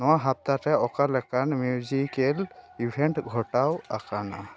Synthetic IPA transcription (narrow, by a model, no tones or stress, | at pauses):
nɔwaɦap̚t̪atɛɔkalɛkanmjuzikelibʱeɳʈɡʱɔʈawakana̰